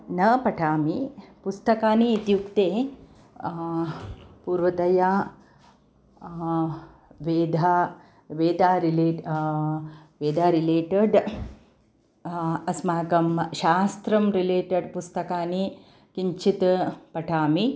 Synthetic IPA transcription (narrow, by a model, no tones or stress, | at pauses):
nɐpɐʈʰaːmipust̪ɐkaːniːt̪jukt̪eː | puːɾʋɐd̪ɐja | ʋeːd̪ʱa | ʋeːd̪aːɾileʈ | ʋeːd̪ʱaːɾileːʈɐɖ | ɐsmaːɡɐmʃaːst̪ɾɐmɾileːʈɐɖpust̪ɐkaːni | kiɲt͡ʃʰit̪pɐʈʰaːmi